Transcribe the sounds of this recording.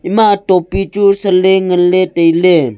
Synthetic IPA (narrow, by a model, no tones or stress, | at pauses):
imatopit͡ʃusəleŋəlːetəjle